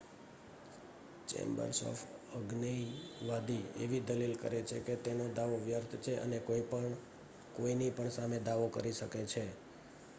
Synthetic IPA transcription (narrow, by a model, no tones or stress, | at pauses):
t͡ʃḛ̃mbə̰ɾsɔ̰fʰəɡnəʋad̪ʱiḛʋid̪əlilkə̰ɾet͡ʃʰeket̪enod̪aʋoʋjəɾt̪ʰt͡ʃʰeʔə̰nekoipəɳ | koinipəɳsamed̪aʋokəɾiʃəket͡ʃʰe